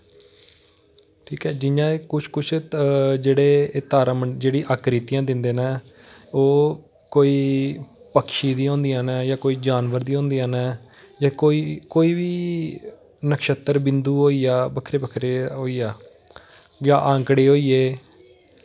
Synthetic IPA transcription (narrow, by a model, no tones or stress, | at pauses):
ʈʰiːkɛːd͡ʒɪjãːekʊt͡ʃʰkʊt͡ʃʰd͡ʒeːɽeːɪt̪aːɾãːməd͡ʒeːɽĩːʔaːkɾiːt̪ijãːd̪ɪnd̪eːnɛː | oː | koːiː | pəkʃiːd̪iːõːnd̪iːaːnɛːjaːkoːiːd͡ʒaːnʋəɾd̪iːɦõːnd̪iːãːnɛːjaːkoːiːkoːiːʋiː | nəkʃət̪ːəɾbɪ̃nd̪uːɦoːiːaːbəkʰɾeːbəkʰɾeːɦoːiːaː | jaːʔãːŋkɽeːɦoːiːeː